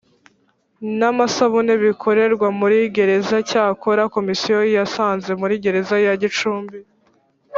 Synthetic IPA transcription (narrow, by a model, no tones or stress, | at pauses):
namasaβuneβikʰo̞ɾe̞ɾɡwamuɾiɡe̞ɾe̞zacaːko̞ɾako̞misijojijasaːnze̞muɾiːɡe̞ɾe̞zajaɟit͡ʃuːmbi